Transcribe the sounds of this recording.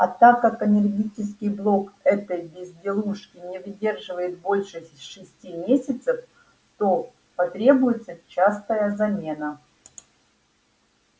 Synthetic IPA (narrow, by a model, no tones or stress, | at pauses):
ɐ̰t̪akːakənʲɪrɡʲit͡ɕɪskʲɪjblˠo̞kɛt̪əjbʲɪzʲdʲɪlˠuʂkʲɪnʲɪvdʲe̞rʐɨvəjɪt̪̚bo̞lʲʂɨʂɨsʲtʲimʲesʲɪt̪səf | t̪o | pɐt̪ɾʲe̞bʊjɪt̪sət͡ɕast̪əjəzɐmʲe̞nə